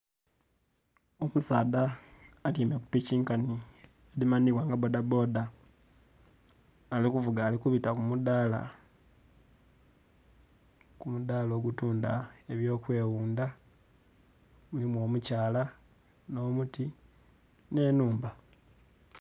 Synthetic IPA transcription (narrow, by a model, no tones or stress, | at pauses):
okusaːdaːliːmeku̥piciːŋkani | elimaniβwaŋɡabo̞dabo̞da | likuvuɡaːlikuβitakumudala̰ | kumud̪aːlo̞ːɡutuːnda̰e̞βjo̞ːkwe̞ːwuːnda | mulimwo̞ːmucaːla | no̞ːmuti | ne̞nuːmba